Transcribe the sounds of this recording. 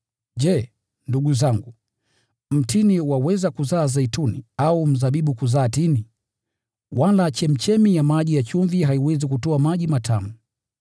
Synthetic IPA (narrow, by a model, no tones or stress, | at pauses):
ʄɛ | nduɡuzaŋɡu | m̩tiniwawɛzakuzaːzaitunḭaum̩zaɓiɓukuzaːtini | walat͡ʃɛm̩t͡ʃɛmijamaʄijat͡ʃuɱviɦaiwɛzikutɔamaʄimatʰamu